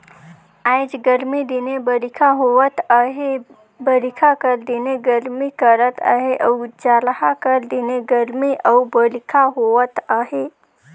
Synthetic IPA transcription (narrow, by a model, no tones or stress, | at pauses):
ajd͡ʒɡəɾmid̪inebəɾikʰaɦowət̪aɦe | bəɾikʰakəɾd̪ineɡəɾmikəɾət̪ʰa̰ɦeʔɐwd͡ʒalhakəɾd̪ineɡəɾmiʔawbəlikʰaɦowət̪aɦe